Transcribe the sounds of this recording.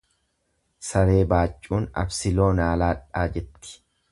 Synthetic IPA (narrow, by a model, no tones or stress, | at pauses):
sɐɾe̞ːbaːt͡ʃʼːuːnɐ̰bsɪlo̞ːnaːlaːᶑːaːd͡ʒɛt̪ːɪ̥